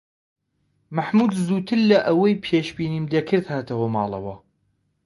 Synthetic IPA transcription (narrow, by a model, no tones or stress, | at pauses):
maħmuːd̪zuːt̪ʰɨɾːɐʔɐwɐjpʰeːʃbiːniːmd̪ekʰɨɾd̪haːt̪ʰɐwɐmɑːlˠɐ̰wɐ